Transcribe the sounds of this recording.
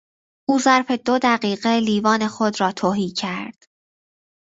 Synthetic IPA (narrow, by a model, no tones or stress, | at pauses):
ʔuːzæɾfe̞d̪od̪æɢiːɢeliːvɒːne̞xod̪ɾɒːt̪ʰoːɦiːcʰæɾd̪̥